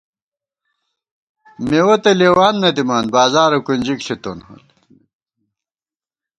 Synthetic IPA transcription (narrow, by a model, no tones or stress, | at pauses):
mewɐt̪ɐleːwaːnːɐd̪imaːnbaːzaːɾɐkund͡ʑikɬit̪onhɐ̰l